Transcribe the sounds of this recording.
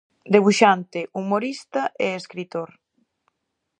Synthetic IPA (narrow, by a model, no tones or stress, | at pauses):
d̪eβ̞uʃant̪ɪʔumoɾist̪ɐʔeeskɾit̪oɾ